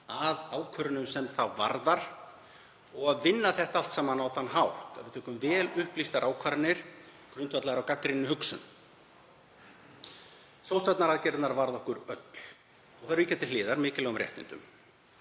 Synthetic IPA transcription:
aðaːwkʰœɾʏnʏmsɛmθawva̰ɾðaɾ̥ | ɔɣaðvɪnːaθɛht̪aal̥t̪saːmanawθanːɦawht̪a̰ðvɪɾt̪ʏːhkʏmvɛːlʏhplist̪aɾʔaːwkʰvaɾnɪɾ̥ | kʰɾʏnt̪vat̪laɣɾawkakɾɪnːʏhʏksʏ̰n | sowht̪vat̪naɾaðcɛɾt̪naɾvaɾðɔhkʏɾœt̪l̥ | ɔɣθaɾvɪcɛt̪ɪlɪːðaɾmɪːcɪlɛːɣʏmɾrjɛ̰ht̪ɪ̰nt̪ʏ̰m

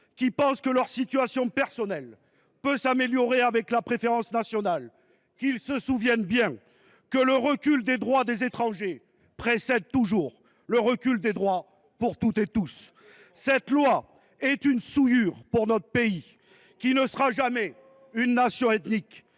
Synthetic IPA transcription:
kʲipɑ̃skəlœʁsit̪yasjɔ̃pɛʁsɔnɛl | pøsameljɔʁeavɛklapχefeʁɑ̃snasjɔnal | kilsəsuvjɛnbjɛ̃ | kələʁəkʲyld̪ed̪ʁwad̪ezet̪χɑ̃ʒe | pχesɛd̪̚t̪uʒuʁ | ləʁəkʲyld̪ed̪ʁwa | puʁt̪ut̪et̪usː | ɛt̪lwa | ɛt̪ynsujyʁpuʁnɔt̪χəpei | kʲinəsəʁaʒamɛ | ynːasjɔ̃ɛt̪nik

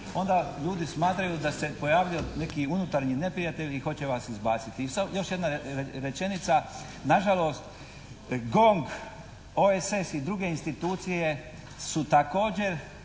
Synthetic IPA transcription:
o̞nd̪aʎuːd̪ismaːt̪ɾajud̪ase̞po̞jaːʋijone̞kiunut̪aɾɲine̞pɾijat̪e̞ʎʲixo̞t͡ɕe̞ʋaːsizbaːt̪sit̪isajo̞ʃje̞d̪naɾe̞t͡ʃe̞nit̪sa | naʒalo̞ːst̪ | ɡo̞ŋɡ | oesesid̪ɾuɡe̞inst̪it̪uːt̪sije̞ | sut̪ako̞ːd͡ʑe̞ɾ

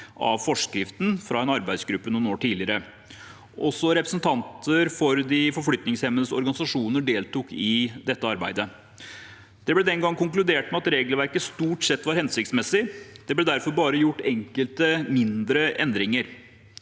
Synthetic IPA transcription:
ʔɑ̰ʋfɔʂkɾɪft̪n̩fɾɑɛnɑɾbæɪd̪sɡɾʉpːənuːnoːʈʰiːlɪəɾə | ʔɔsɔɾɛpɾəsən̩t̪ʰɑnt̪əɾfɔɾd̪ɪfɔɾflʏt̪nɪŋshɛmːənəsɔ̰ɾɡɑnɪsɑʂuːnəɖeːlt̪uːkɪd̪ɛt̪ːəɑɾbæ̰ɪd̪ə | d̪̥ɛblɛd̪ɛnɡɑŋːkʊŋklʉd̪eːʈmɛɑt̪ɾeːɡl̩ʋæɾkəst̪uːʈsɛt̪ːʋɑɾhɛnsɪk̚t̪smɛsɪd̪̥ɛblɛd̪æɾfɔɾbɑːɾəjʊʈːɛŋkəlt̪əmɪnd̪ɾəʔɛnd̪ɾɪŋəɾ

